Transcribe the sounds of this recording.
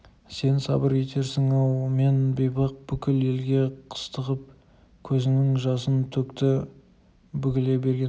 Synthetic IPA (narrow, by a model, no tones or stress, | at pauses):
se̞nsɑbəɾe̞t̪e̞ɾsɪŋɑwme̞nbejbɑq̚bʏkʲɪle̞lɡʲe̞qʰə̥st̪əʁəp̚ | kʲʰɵzɪŋɪŋʒɑsənt̪ʰɵkt̪ɪ | bʏkʲɪle̞be̞ɾɡʲe